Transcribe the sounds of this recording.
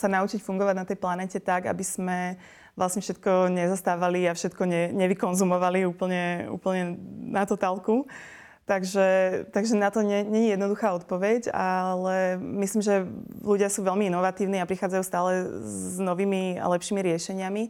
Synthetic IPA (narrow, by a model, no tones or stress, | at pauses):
sanaut͡ʃicfuŋɡɔʋaɟnat̪ɛjplanɛːcɛt̪aɡa̰biz̥mɛ | ʋlasɲɛfʃɛt̪̚kɔɲɛzɔst̪aːʋaliafʃɛt̪kɔɲɛɲɛʋikɔnzumɔʋaliuːpl̩ɲɛṵːpl̩ɲɛnat̪ɔt̪aːlˠku | t̪aɡʒɛt̪aɡʒɛnat̪ɔɲɛɲɛɲijɛd̪nɔd̪uxaːɔt̪̚pɔʋɛɟa̰lɛmisliːmʒɛluɟɪasuːʋɛlmiinɔʋat̪iːʊniapɾixaːd͡zajuːst̪aːlɛznɔʋiːmia̰lɛpʃiːmiɾɪɛʃɛɲɪami